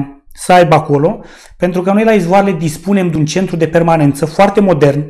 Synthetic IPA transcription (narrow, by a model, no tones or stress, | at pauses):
səajbako̞lo̞ | pe̞nt̪ɾukəno̞jlaizvoaɾele̞d̪ispune̞md̪unt͡ʃe̞nt̪ɾud̪e̞pe̞rmane̞nt̪səfoart̪e̞mo̞d̪e̞rn